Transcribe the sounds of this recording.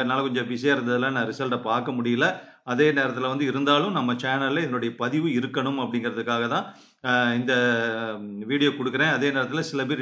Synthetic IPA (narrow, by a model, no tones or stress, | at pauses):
naːlɐkɔɲd͡ʒɐ̃bɪsɐjaːɪɾɯnd̪ɐðɯlːãːnãːɾɪsɐlʈɐpaːɾkɐmʊɽɪjɪlːɐ | ɐðeːneːɾɐt̪ːɪlɐʋɐnd̪ɯɪɾɯnd̪aːlɯ̃mnɐmːɐt͡ʃaːnɐlleɪðɐnʊɽɐjɐpɐðɪʋɯɪɾɯkːɐɳɯmɐpːɐɽɪŋɡɪɾɐðɯkːaːɣɐt̪ãː | ɪnd̪ɐ | ʋiːɽɪjoːkɔɽɯkːɯɾẽːɐðeːneːɾɐt̪ːɪlɐsɪlɐpeːɾ